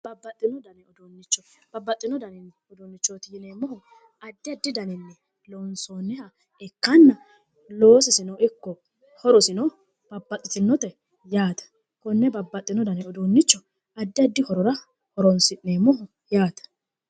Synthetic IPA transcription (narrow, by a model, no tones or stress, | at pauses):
b̥ɐbːɐt̪ʼːɪnɔd̪ɐnɛɔd̪onːɪt͡ʃːɔb̥ɐbːɐt̪ʼːɪnɔd̪ɐnɪn | ɔd̪onːɪt͡ʃːoːt̪ɪjɪneːmːɔhɔ | ɐd̪ːɪɐd̪ːɪd̪ɐnɪnːɛ | loːnsoːnːɛhɐ | ɛkːɐnːɐ | lo̞ːsɪsɪnɔwɪkːɔ | hɔɾɔsɪnɔ | b̥ɐbːɐt̪ʼːɪt̪ɪnːɔt̪ɛ | jaːt̪ɐ̥ | kɔnːɛbɐbːɐt̪ʼːɪnɔd̪ɐnɛɔd̪onːɪt͡ʃːɔ | ɐd̪ːɪɐd̪ːɪhɔɾɔɾɐ | hɔɾɔnsɪʔneːmːɔɦɔ | jaːt̪ɐ̥